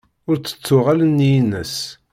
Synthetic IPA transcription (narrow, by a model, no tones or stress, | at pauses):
ʊɾt͡sːə̥t͡sːʊʁalənːjinə̰s